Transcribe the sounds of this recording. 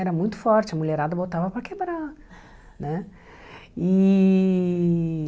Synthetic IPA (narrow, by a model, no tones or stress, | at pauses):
ɛɾɐmũj̃t̪ʊ̥fɔɾt͡ʃɪɐmuʎeɾad̪ɐbowt̪avɐpɾɐkebɾa | nɛ | i